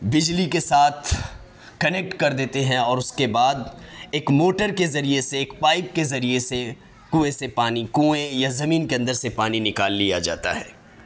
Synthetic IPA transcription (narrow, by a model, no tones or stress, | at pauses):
bɪd͡ʒlikesaːt̪ʰ | kɐnek̚ʈkɐɾd̪eːt̪eɦɛ̃ɔːɾʊskebaːd̪eːkmoːʈəɾkezɐɾieseːkpaːɪp̚kezɐɾiese | kũːesepaːnikũːẽjazɐmiːnkeɐ̃nd̪əɾsepaːninɪkaːlːijad͡ʒa̰ːt̪a̰ɦɛ̰ː